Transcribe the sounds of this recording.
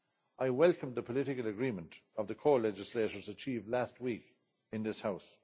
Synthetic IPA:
aɪwɛlˠkə̃mðəpʰəlɪɾɪkələɡɹĩmə̃ntʌvðəkʰɔːlɛd͡ʒɪsleɪɾə˞zət͡ʃʰiːvlæst̚wik | ɨ̃nðɪshaʊs

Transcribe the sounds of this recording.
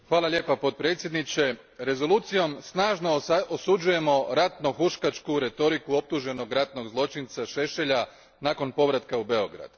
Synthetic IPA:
xʋaːlˠalʲʎʲe̞ːpapo̞d̪̚pɾet̪sje̞d̪nit͡ʃe̞ | ɾe̞zo̞luːt̪sijo̞msnaːʒno̞osud͡ʒuje̞mo̞ɾat̪noxuʃkat͡ʃkuɾe̞t̪o̞ɾikuo̞p̚t̪uʒe̞no̞ɡɾat̪no̞ɡzlˠo̞t͡ʃint̪saʃe̞ʃe̞ʎa | naːko̞npo̞ʋɾat̪kaube̞o̞ɡɾa̰d̪̥

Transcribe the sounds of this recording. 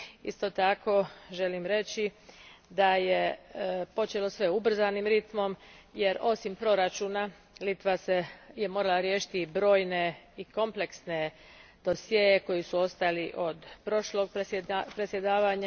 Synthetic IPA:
ḭst̪o̞t̪ako̞ʒe̞limɾe̞t͡ʃid̪ajepo̞t͡ʃe̞lo̞sʋe̞ubr̩zanimɾit̪mo̞mje̞ɾo̞simpɾo̞ɾat͡ʃuːna | lit̪ʋaseje̞mo̞ːɾalaɾjeːʃi̥t̪ibɾo̞ːjne̞iko̞mple̞ksne̞ | d̪̥o̞sjejeko̞jisuo̞st̪aliʔo̞d̪pɾo̞ʃlo̞ɡ̚ppɾesje̞d̪aːʋaɲa

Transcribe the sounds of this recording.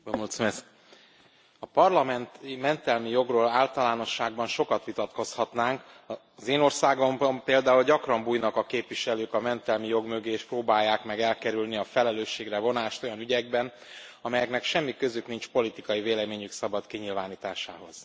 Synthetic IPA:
omut̪smɛs | ɒpɒrlɒmɛnt̪imɛnt̪ɛlmijo̞ɡroːlaːlt̪ɒlaːno̞ʃːaːɡbɒnʃo̞kɒt̪ʋit̪ɒt̪ko̞shɒt̪naːŋk | zeːno̞rsaːɡo̞mbmpeːld̪aːulɟɒkrɒmbuːjnɒkɒkeːpʋiʃɛløːkɒmɛnt̪ɛlmijo̞ɡmøɡeːʃproːbaːjːaːkmɛɡɛlkɛɾylniɒfɛlɛløːʃːeːɡrɛvo̞naːʃt̪o̞jɒnyɟɛɡ̚bɛn | ɒmɛjɛknɛkʃɛmːikø̞zyknint͡ʃpo̞lit̪ikɒjiveːlɛmeːɲyksɒbɒt̪kiɲilvaːniːt̪aːʃa̰ːɦo̞̰z̥

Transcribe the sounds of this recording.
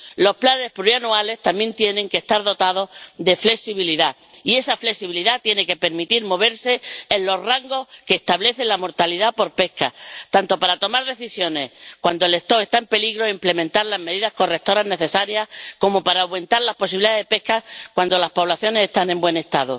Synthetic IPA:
lo̞splane̞hpluɾianuale̞st̪amje̞nt̪jenẽ̞ŋkest̪aɾðo̞t̪aðo̞hðe̞fle̞ksiβ̞iliða | ie̞safle̞ksiβiliðat̪je̞ne̞ke̞pe̞ɾmit̪iɾmo̞β̞e̞ɾse̞ːnlo̞raŋɡo̞skeːst̪aβle̞θe̞lamo̞ɾt̪aliðapo̞ɾpe̞hkat̪ant̪opaɾat̪o̞maɾðeθisjo̞ne̞hkwand̪oele̞st̪o̞ɾe̞st̪aempe̞liɣɾo̞imple̞mẽnt̪aɾlazme̞ðiðasko̞rek̚t̪o̞ɾazne̞θe̞saɾjahko̞mo̞paɾaɣwẽ̞nt̪aɾlahpo̞s̬iβiliðaðepe̞hkakwand̪o̞laspo̞β̞laθjo̞ne̞se̞st̪anẽ̞mbwẽ̞ne̞st̪aðu

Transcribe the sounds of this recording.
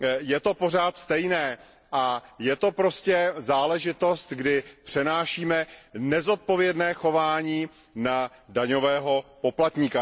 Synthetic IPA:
jɛt̪o̞po̞r̝aːt̪st̪ɛjnɛː | ʔajɛt̪o̞pɾo̞scɛzaːlɛʒɪt̪o̞st̪ɡdɪpr̝̥ɛnaːʃiːmɛnɛzo̞t̪̚po̞vjɛdnɛːxo̞vaːɲiː | na | daɲo̞vɛːɦo̞po̞plat̪ɲika

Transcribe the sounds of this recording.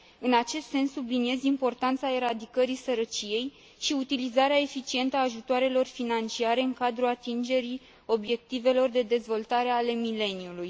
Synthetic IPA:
ɨnat͡ʃe̞st̪se̞nsːublinie̞zimpo̞rt̪ant̪sae̞ɾad̪ikəɾisəɾət͡ʃije̞j | ʃiut̪ilizaɾeae̞fit͡ʃie̞nt̪əaːʒut̪oaɾe̞lo̞rfinant͡ʃiaɾe̞ɨŋkad̪ɾuat̪ind͡ʒe̞ɾi | o̞bje̞k̚t̪ive̞lo̞rd̪e̞d̪e̞zvo̞lt̪aɾe̞ale̞mile̞niuluj

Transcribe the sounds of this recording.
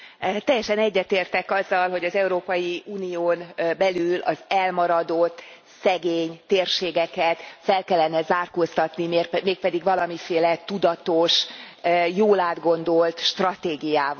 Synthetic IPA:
t̪ɛjːɛʃɛnɛɟːɛt̪eːrt̪ɛkɒzːɒlɦo̞ɟɒzɛuɾoːpɒjiuːnioːnbɛlylʔɒzɛlmɒɾɒd̪ot̪ː | sɛɡeːɲt̪eːrʃeːɡɛkɛt̪fɛlkɛlːɛnɛzaːrkoːst̪ɒt̪nimeːrmeːk̚pɛd̪iɡʋɒlɒmifeːlɛt̪ud̪ɒt̪o̞ʃ | joːlaːd̪ɡo̞nd̪o̞lt̪ʃt̪rɒt̪eːɡijaːv

